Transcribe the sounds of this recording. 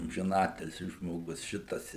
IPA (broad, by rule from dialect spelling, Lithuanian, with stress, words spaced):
ɐmʲʒʲɪˈnɑːtʲɪlʲsʲɪ ʒmoːˈɡʊs ˈʃʲɪtɐs